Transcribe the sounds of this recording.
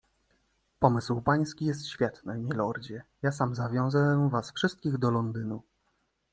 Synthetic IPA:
pɔmɘswpaj̃skʲijɛs̬t̪ɕfʲjɛt̪nɘmʲɛlɔɾd͡ʑɛjasamzavʲjɔ̃w̃zavasfʂɘst̪̚kʲiɣd̪ɔlɔnd̪ɘnu

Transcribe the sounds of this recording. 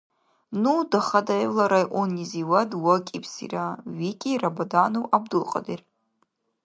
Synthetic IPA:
nudaχadalaɾajʔʷoniziwadwakʲʼipʰsḭraɥikʲʼirabadanuwʔab̚dɨlqʼa̰der

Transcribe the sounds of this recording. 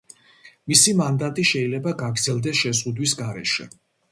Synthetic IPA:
misimand̪at̪ʼiʃɛilɛbaɡaɡɾd̪zɛlˠd̪ɛsʃɛzʁud̪wisɡaɾɛ̰ʃɛ̰

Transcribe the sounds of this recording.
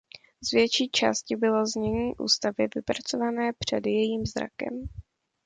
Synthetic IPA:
zvjɛt͡ʃiːt͡ʃa̰ːscɪbɪlo̞zɲɛɲiːʔṵːst̪avɪvɪpɾat͡so̞vanɛːpr̝̥ɛdjɛjiːmzɾa̰kɛ̰m

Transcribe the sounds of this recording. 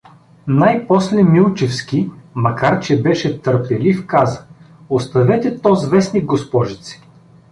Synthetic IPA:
najpɔslɛmilˠt͡ʃɛfskʲimɐkaɾt͡ʃɛbɛʃɛt̪əɾpɛlifkazə̥ | ost̪ɐvɛt̪ɛt̪ɔzvɛsniɡɡospɔʒit̪si̥

